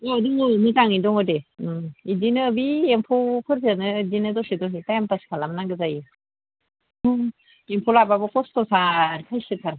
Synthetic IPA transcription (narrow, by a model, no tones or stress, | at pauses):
odumitaŋidɔŋɯde | idinɯːbiempʰupʰɯɾzanɯdinɯdɔsidɔŋitajampaskʰalamnaŋɡɯzaji | empʰulababɔkʰɔstɔsaɾkʰajsɯtʰaɾ